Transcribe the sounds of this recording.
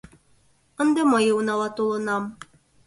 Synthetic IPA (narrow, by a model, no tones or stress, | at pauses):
ɤ̆nd̪ɤmɑjɤ̆wnɑlˠɑt̪ulˠɤ̆nɑm